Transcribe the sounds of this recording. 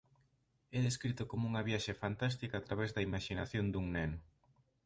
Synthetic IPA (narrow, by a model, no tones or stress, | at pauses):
ɛðeskɾit̪ʊkomʊuŋɐβjaʃefant̪ast̪ikat̪ɾaβɛzd̪ɐimaʃinaθjond̪uŋnɛnʊ